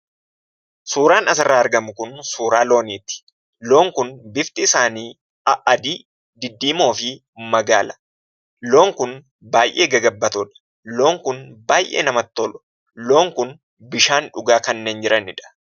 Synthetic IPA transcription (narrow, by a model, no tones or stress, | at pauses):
suːɾaːnɐsɪrːaːɐɾɡɐmʊkʊnsuːɾaːlo̞ːniːt̪ːɪ̥ | lo̞ːŋkʊnbɪft̪ɪɪsaːniː | ɐʔɐd̪iː | d̪ɪd̪ːiːmo̞ːfɪ | mɐɡa̰ːlɐ̥ | lo̞ːŋkʊn | baːjʔeːɡɐɡɐbːɐt̪ɔᶑɐ̥ | lo̞ːŋkʊnbaːjʔḛːnɐmɐt̪ːɔlʊ̥ | loːŋkʊn | bɪʃaːnᶑʊɡaːkɐnːeːnd͡ʒɪɾɐnɪᶑɐ̥